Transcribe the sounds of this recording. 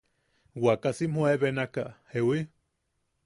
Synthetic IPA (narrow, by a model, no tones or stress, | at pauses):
wakasimhueβenakahewi